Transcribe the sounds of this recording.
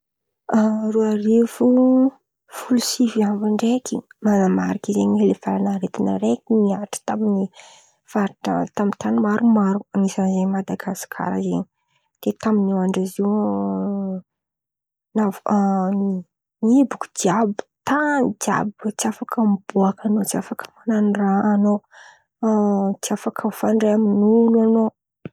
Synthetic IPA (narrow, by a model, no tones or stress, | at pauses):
aruaɾefu | fulusifiamvaɳɖ͡ʐekimanamaɾikizeɲilefalanaɾet̪inə̰ɾekinmiaʈ͡ʂə̥t̪amini | faɾʈ͡ʂə̰t̪amit̪animaɾumaɾuaŋisanzeɲmad̪aɡasi̥kʰa̰ɾa̰zḛɲi | d̪̥et̪aminiwaɳɖ͡ʐaziw | nav | nibuku̥d͡ʒ̪iabi̥t̪and͡ʒa̰bt͡siafakʰəmb̥uakanot͡siafakə̥mananiraːno | t͡siafakʰəfaɳɖ͡ʐeaminuluano